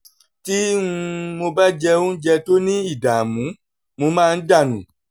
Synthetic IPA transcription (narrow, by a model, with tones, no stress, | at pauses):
ti˦ũ˧mo˧ba˦d͡ʒɛ˧ũ˦d͡ʒɛ˧to˦nĩ˦i˦˨da˨mũ˨˦ | mo˧mãː˦˧˦da˦˨nũ˨